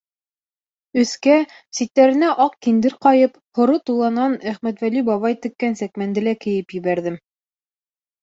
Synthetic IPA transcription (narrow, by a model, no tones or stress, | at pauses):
ɵ̆θkæ | sit̪ːæɾɘ̆næʔɑqkind̪ɘɾqɑjɤp | hŏɾɤt̪ulˠɑnɑnæχmæt̪wælybɑβɑjt̪ɘ̆kːænsækmænd̪ɘlækɘ̆jɘpjɘ̆βæɾðɘm